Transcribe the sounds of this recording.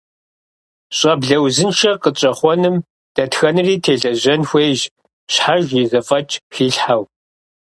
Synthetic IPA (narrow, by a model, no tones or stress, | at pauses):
ɕʼɐbɮɐwzɨnʃɐqət͡ʃʼɐχʷɔnɨm | d̥ɐtxɐnɨriːtʰeːɮɐʑɐnxʷeːʒ | ɕħaʒjizɐfʼɐt͡ʃʼxiːɬħaw